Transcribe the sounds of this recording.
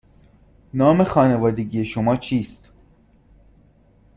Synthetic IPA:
nɒːmexɒːnevɒːd̪eɡijeʃomɒːt͡ʃʰiːst̪

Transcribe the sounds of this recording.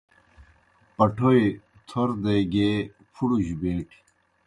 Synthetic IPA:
pɐʈʰoi | t̪ʰoɾd̪eɡeː | pʰuɽuʑubeːʈʰi̥

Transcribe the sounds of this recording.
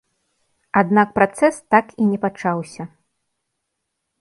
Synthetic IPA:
ad̪nak̚pɾat̪sɛst̪akinʲɛpat͡ʂawsʲɐ

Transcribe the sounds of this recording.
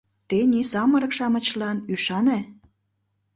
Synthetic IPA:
t̪enʲisɑməɾə̆kʃɑmə̆t͡ɕlɑnyʃɑne

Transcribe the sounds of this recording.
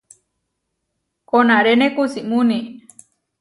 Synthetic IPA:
konaɾenekusiʔmuni

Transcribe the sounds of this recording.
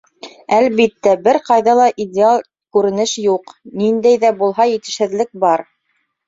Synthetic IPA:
ælβit̪ːæbɘɾqɑjðɑlˠɑʔidʲɪalˠ | kʉɾɘ̆nɘʃjuqnind̪æjðæbulˠɦɑjɘ̆t̪ɘ̆ʃhɘ̆ðlɘk̚bɑɾ

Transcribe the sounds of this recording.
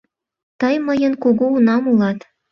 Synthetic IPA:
t̪əjməjənkuɣuːnɑmulɑt̪

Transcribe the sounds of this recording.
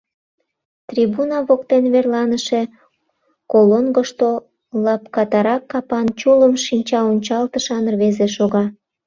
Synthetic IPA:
t̪rʲibunɑβokt̪enβerlɑnəʃe̽ | kolonɡoʃt̪o | lɑpkɑt̪ɑɾɑkːɑpɑnt͡ɕuləmʃinʲt͡ɕɑonʲt͡ɕɑlt̪əʃɑnərβezeʃoɣɑ

